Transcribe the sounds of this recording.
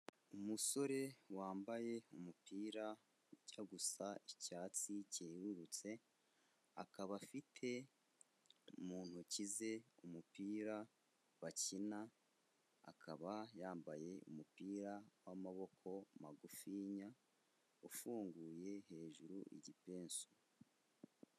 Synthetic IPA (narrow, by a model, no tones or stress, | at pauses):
umuso̞ɾe̞waːmbaje̞umupiːɾa | ɟaɡusaicaːt͡siceːɾuɾut͡se̞ | akaβafitʰe̞ | umuːn̥hucize̞umupiːɾa | βacina̰ː | kʰaβajaːmbaje̞ṵmupiːɾawamaβo̞kʰo̞maɡufiːɲa | ufuːŋɡuːje̞ɦe̞ːʒuɾuʔḭɟipe̞ːnso